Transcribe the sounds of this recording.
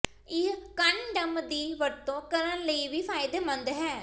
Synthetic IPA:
ɪkənɖəmd̪iːʋəɾt̪õːkəɾənləiːʋiːpʰaːɪd̪eːmənd̪ɦɛː

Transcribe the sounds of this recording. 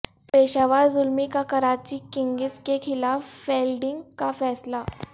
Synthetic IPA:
pɾeɕaʋaɽzulmikakəɾat͡ɕiːkiŋɡiskekʰilaffelɖiŋɡkafɛsla

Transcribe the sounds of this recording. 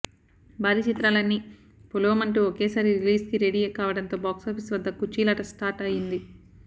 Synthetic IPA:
baːɾit͡ʃit̪ɾaːlɐnːi | puloːmɐɳʈuokeːsaːɾiɾiliːskiɾeɽijeːkaːʋɐɽɐnt̪o̞ːbaːksoːpʰisʋɐd̪ːɐkut͡ʃiːlɐʈɐsʈaːɾʈɐjind̪i

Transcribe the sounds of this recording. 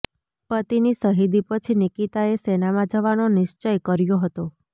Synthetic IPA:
pət̪inisəɦid̪ipət͡ʃʰinikit̪aesenamãd͡ʒəʋanonɪʃt͡ʃəjkəɾjoɦət̪o

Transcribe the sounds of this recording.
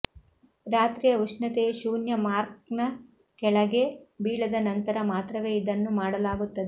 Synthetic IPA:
ɾaːt̪ɾiːjɐʋuʂnɐt̪eʃuːnjɐmaːɾk̚nɐ | kɛɭɐɡe̞biːɭɐd̪ɐnɐnt̪ɐɾɐmaːt̪ɾɐʋe̞ːid̪ɐnːumaːɽɐlaːɡut̪ːɐd̪e

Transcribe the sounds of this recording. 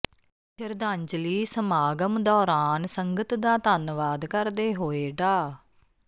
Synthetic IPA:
pʰɪɾd̪ãːɲd͡ʒliːsəmaːɡəmd̪ɔːɾaːnsəŋɡət̪d̪aːt̪ənʋaːd̪kəɾd̪eːɦoːeːɖaː

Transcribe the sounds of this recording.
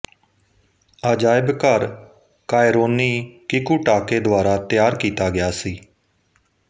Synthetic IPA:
aːd͡ʒaːɪbkəɾ | kaːɪɾoːniːkɪkuːʈaːkeːd̪ʊaːɾaːt̪jaːɾkiːt̪aːɡɪjaːsiː

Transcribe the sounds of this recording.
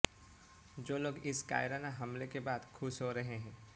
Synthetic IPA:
d͡ʒoːloːɡɪska̰ːɪɾanaɦɐmlekebaːd̪kʰʊʃɦoɾɐɦeɦɛ̃ː

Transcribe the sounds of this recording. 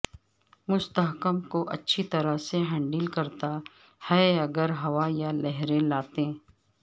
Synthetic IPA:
mʊst̪əɦkəmkoʔɐ̰tːʃʰit̪ɐɾəseɦə̃ɳɖiːlkɐɾt̪a | hɛɐɡəɾɦɐʋajalɛɦɾelaːt̪ẽː

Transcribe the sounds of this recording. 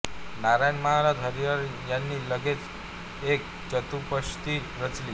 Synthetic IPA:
naɾajnmaɦaɾad̪ʱʌɾiʌɾjanːilʌɡet͡s | ek̚ | t͡sʌt̪upʌst̪iɾʌt͡sli

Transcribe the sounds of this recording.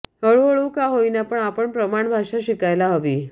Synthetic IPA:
ɦəɭəɭukaɦoinapəɳapəɳpɾəmaɳbʱaʂaɕikajlaɦəʋiː

